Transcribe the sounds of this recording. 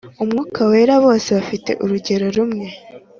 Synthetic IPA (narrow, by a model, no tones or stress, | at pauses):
umŋuːkʰawe̞ːɾaβo̞ːse̞βafite̞̰ʔuɾuɟe̞ɾo̞ɾumŋe̞